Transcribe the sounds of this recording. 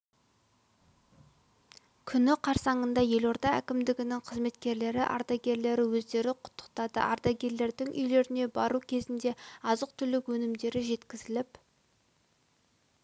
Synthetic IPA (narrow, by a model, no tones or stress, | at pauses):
kʲʰʏnɪqʰɑɾsɑɴənd̪ɑje̞lo̞ɾd̪ɑækʲɪmd̪ɪɡʲɪnɪŋqʰəzme̞t̪kʲe̞ɾle̞ɾɪʔɑ̰ɾd̪ɑɡʲe̞ɾle̞ɾɪwɵzd̪e̞ɾɪqʰʊ̥t̪ʰːə̥q̚t̪ɑd̪ə̰ʔɑɾd̪ɑɡʲe̞ɾle̞ɾd̪ɪŋʔʏ̰jle̞ɾɪne̞bɑɾukʲʰe̞zɪnd̪e̞ɑzəq̚t̪ʰʏlɪkwɵnɪmd̪e̞ɾɪʒe̞t̪kʲɪzɪlɪp